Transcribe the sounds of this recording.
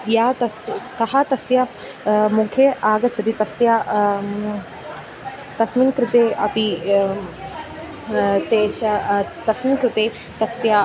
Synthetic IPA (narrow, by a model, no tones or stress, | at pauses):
jaːt̪ɐskɐɦɐt̪ɐsjɐ | mukʰeʔaːɡɐt͡ʃʰɐt̪it̪ɐsja | t̪ɐsminkɾɪt̪eːʔɐpi | t̪eːʃɐt̪ɐsminkɾɪt̪eː | t̪ɐsjɐ